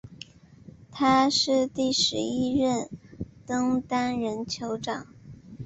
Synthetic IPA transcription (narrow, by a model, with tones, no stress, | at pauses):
t̪ʰa˥ʂɻ̩˥˧t̪i˥˩ʂɻ̩˧˥i˥ɻə˥˩nt̪ɤ˥ŋt̪a˥nɻə˧˥nt͡ɕʰjo˧˥ʊʈ͡ʂɑ˨˩˦ŋ